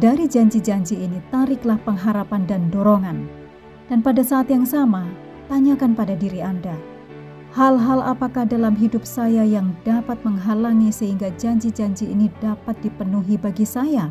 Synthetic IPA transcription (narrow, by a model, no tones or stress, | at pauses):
daɾid͡ʒaɲd͡ʒid͡ʒaɲd͡ʒiːnit̪aɾɪklahpəŋɦaɾapandandoɾoŋan | d̥anpadasaːt̪jaŋsama | t̪aɲakanpadadiɾianda | halɦala̰pakahdalamɦidʊp̚sajajaŋdapat̪̚məŋɦalaŋisəɦiŋɡad͡ʒaɲd͡ʒid͡ʒaɲd͡ʒiːnidapat̪̚d̥ipənuɦibaɡisaja